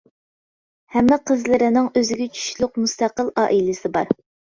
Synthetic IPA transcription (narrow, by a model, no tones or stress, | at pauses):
hɛmːɪqʰəzlɪɾɪnɪŋøzɪɡʲɛt͡ʃʰy̥ʃlˠʊqmust̪æqəlˠɑːʔilɪsɪbɑɾ